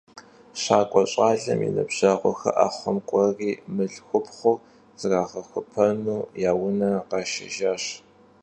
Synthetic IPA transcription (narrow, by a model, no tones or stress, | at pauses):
ɕaːkʷʼɔɕʼaːɮɐ̰mjḭnɐbʑ̥aːʁʷɔxɐ̰ʔaːχʷɔmkʷʼɔriːmɨɮxʷʊpχʷʊ | z̥ɨraːʁɐxʷʊpʰɐnuːjaːwʊnɐqɑʃɪ̰ʒaːɕ